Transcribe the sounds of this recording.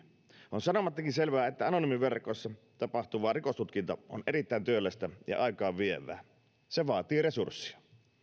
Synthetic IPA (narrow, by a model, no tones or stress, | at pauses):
ʔonsɑnomɑt̪ːɑkinselʋæːet̪ːæɑnonimiʋerkˑosːɑ | t̪ɑpɑht̪uʋˑɑːrikost̪ut̪kint̪ɑo̰nʔerit̪ːæˑint̪yølːæst̪æjɑ̰ʔɑˑikɑːʋʋieʋˑæ̰ː | seʋɑːt̪iːresursːiɑ